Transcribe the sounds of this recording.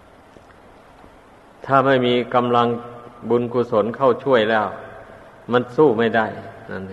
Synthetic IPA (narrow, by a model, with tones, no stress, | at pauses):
t̪ʰaː˥˩ma˥˩jmiː˧ka˧mla˧ŋbu˧nkuː˧˥so˩˦˥nkʰa˥˩wt͡ɕʰu˥˩əjlɛː˥˩w | ma˧˥nsuː˥˩ma˥˩jda˥˩jna˧˥˨n˨